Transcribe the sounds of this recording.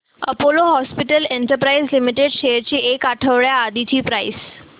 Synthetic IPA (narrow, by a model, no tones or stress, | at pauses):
ə̰poloɦɔspiʈəleɳʈəɾpɾaizlimiʈeɖɕeɾt͡ɕiːʔekaʈʰəʋɭjaːd̪it͡ɕiːpɾais